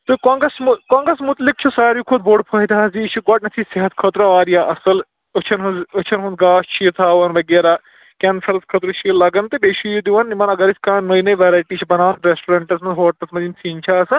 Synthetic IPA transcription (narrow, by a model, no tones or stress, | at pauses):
t̪okɔːŋɡɾɐsmukɔːŋɡɾɐsmut̪lik̚t͡ʃʰusaːɾjukʰod̪̚boːɖpʰɐɦit̪azit͡ʃʰiɡɔːʈ̚nɐt̪ʰiseɦɐt̪kʰɐt̪ɾɐʋaːɾjaʔɐsɐl | ɐt͡ʃʰɐnɦɐzɐt͡ʃʰɐnɦund̪ɡaːst͡ʃʰit̪ʰaːʋɐnʋɐɡeːɾaː | kʲɐnfʰɐɾɐskʰɐt̪ɾut͡ʃʰilɐɡɐnt̪ɨbeːʃijud̪iʋɐnːimɐnɐɡɐɾisʲkãːnojnɐjʋɐɾaːjʈit͡ʃʰibɐnaːnɾesʈuɾɐɳʈɐsmɐzɦoːt̪ɐsmɐzimsiːnʲt͡ʃʰaːɐsɐn